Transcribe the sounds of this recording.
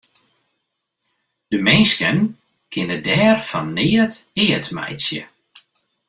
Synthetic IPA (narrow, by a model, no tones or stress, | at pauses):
d̥əmɛnskən | kʰɪnədɛːrfɔnːɪːətɪːətmɛ̰jsjə̰